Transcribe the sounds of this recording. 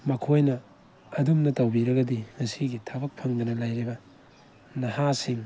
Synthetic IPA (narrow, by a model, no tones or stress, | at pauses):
mɐkʰojnɐː | dumnɐtɐwbiɾɐɡɐdiŋɐsiɡitʰabɐk̚pʰɐŋd̪ɐnɐlajɾibɐ | nɐhasiŋ